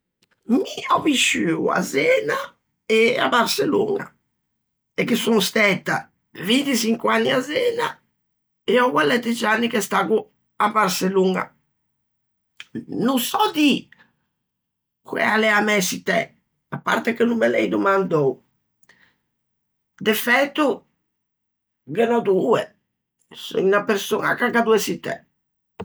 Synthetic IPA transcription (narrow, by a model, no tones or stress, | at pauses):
miɔviʃyːua̰zɛːna | ɛa̰baɾselṵːŋa̰ | ɛkːisuŋst̪ɛt̪ːa | vint̪isiŋkwanːiazɛːna̰ | ɛɔɡwalːɛt̪ːid͡ʒanːikɛst̪aːɡu | abaɾseluŋa̰ | nusɔd̪i | kuɛ̰alɛamɛsit̪ɛ̰ | apːa̰ɾt̪ɛkenumːɛlɛ̰jd̪umand̪ow | d̪ɛfɛt̪ːu | ɡɛnɔd̪uɛ | sinapeɾsona̰kaɡad̪uɛsit̪ɛ̰